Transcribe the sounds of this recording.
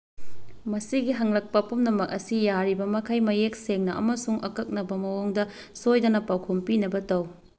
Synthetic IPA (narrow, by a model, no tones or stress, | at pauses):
mɐsiɡiɦɐŋlɐk̚pɐpumnɐmɐk̚ɐsijaɾibɐmɐkʰɐjmɐjek̚seŋnɐʔɐ̰mɐsuŋʔɐ̰kɐk̚nɐbɐmɐwoŋdɐ | sojdɐnɐpawkʰompinɐbɐtɐw